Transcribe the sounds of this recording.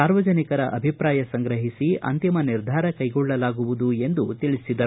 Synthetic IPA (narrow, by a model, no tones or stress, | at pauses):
aːɾʋɐd͡ʒɐnikɐɾɐʔɐbʱipɾaːjɐsɐŋɡɾɐɦisiɐ̰nt̪imɐniɾd̪ʱaːɾɐkɐjɡɔɭːɐlaːɡuʋud̪ue̞nd̪ut̪iɭisid̪ɐ